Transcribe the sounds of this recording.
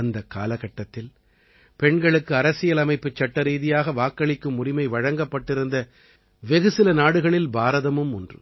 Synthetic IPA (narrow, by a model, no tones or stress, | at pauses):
ɐnd̪ɐkːa̰ːlɐɣɐʈːɐt̪ːɪl | pɛɳɡɐɭɯkːɯɐɾɐsɪjɐlɐmɐɪpːɯt͡ʃːɐʈːɐɾiːðɪjaːɣɐʋaːkːɐɭɪkːɯmʊrɪmɐɪʋɐɻɐŋɡɐpːɐʈːɪɾɯnd̪ɐ | ʋɛɣɯsɪlɐnaːɽɯɣɐɭɪlbaːɾɐðɐmɯmɔndrɯ̰